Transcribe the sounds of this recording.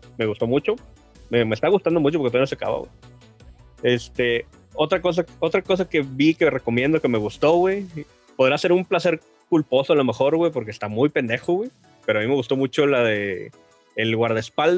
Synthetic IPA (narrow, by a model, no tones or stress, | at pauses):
me̞ɣust̪o̞mut͡ʃo̞ | memest̪aɣust̪and̪o̞mut͡ʃopɾkt̪ojnosaka̰βa̰wḛ | e̞st̪e | o̞t̪ɾako̞s̬ao̞t̪ɾako̞s̬ake̞βikereko̞mje̞nd̪oke̞me̞ɣust̪o̞ɣwe | poð̞ɾase̞ɾumplase̞ɾ | kulpo̞soalo̞me̞xo̞ɾɣwe̞po̞ɾk̬eːst̪amujpe̞nd̪e̞xoɣwe̞ | peɾoamime̞ɣust̪o̞mut͡ʃo̞laðeː | lɣwaɾðaespald